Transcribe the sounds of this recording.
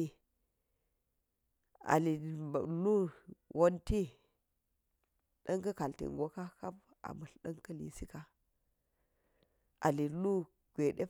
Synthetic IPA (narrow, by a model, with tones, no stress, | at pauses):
i˦ | a̰˨li˨lu˦wʔo˦nti˦ | ɗɐ˦ŋkɐ˦ka˨ltḭ˨ŋɡo˦ka˦ka˦p̚ | a̰˨mu˨ɬɗɐ˦ŋkɐ˦lḭ˨si˦ka˦ | ʔa̰˨li˨lu˦ | ɡ̥ʷe˨ɗe˦